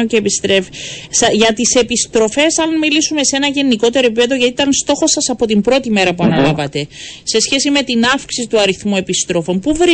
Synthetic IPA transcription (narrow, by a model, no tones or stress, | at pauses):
oceːpist̪ɾefisɐʝɐt̪ise̞pist̪ɾo̞fe̞sɐnmilisume̞se̞nɐʝe̞niko̞t̪e̞ɾo̞epipeðo̞ʝɐt̪it̪ɐnst̪o̞xo̞sːɐsɐpo̞t̪imbɾo̞t̪ime̞ɾɐpuɐnɐlɐvɐt̪e̞se̞sçe̞sime̞t̪inɐfksisit̪uɐɾiθmue̞pist̪ɾo̞fo̞mpuvɾi